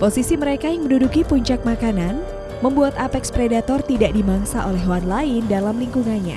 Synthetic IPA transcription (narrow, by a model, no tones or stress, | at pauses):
posisiməɾekajaŋməndudukipuɲt͡ʃak̚makanan | məmbuat̪apɛkspɾedat̪ɔrt̪idaʔdimaŋsaʔolɛɦwanlaɪndalamliŋkuŋanɲa̰